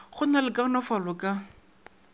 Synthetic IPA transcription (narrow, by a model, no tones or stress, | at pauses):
χʊnalɪkʼanɔfalʊkʼa